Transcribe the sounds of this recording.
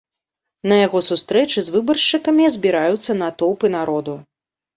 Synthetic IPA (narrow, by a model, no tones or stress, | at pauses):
nɐjaɣɔsust̪ɾɛt͡ʂɨzvɨbɐrʂt͡ʂɨkɐmʲizʲbʲiɾajut̪sːɐnat̪ɔwpɨnaɾɔd̪u